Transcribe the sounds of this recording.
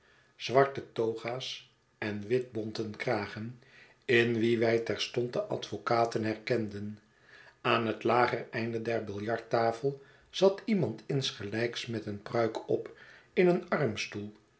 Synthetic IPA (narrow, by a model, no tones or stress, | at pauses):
z̥ʋɑɹtətowχaːs | ɛnʋɪd̚bɔntənkraːχən | ɪnʋiʋɛjtɛɹstɔnt̚dəʔɑ̰tfokaːtənɦɛɹkɛndən | aːnɦətlaːχərɛjndədɛɹbɪlˠjɑɹtaːfəlˠ | z̥ɑtimɑntʰɪnsχəlɛjksmɛtənprœɥkʰɔpɪnənɑrmstulˠ